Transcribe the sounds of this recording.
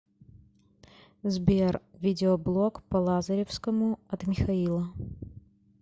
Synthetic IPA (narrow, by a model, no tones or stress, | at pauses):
zbʲervʲidʲɪoblˠokpɐlˠazɐɾʲefskəmʊɐt̪mʲɪxɐilˠə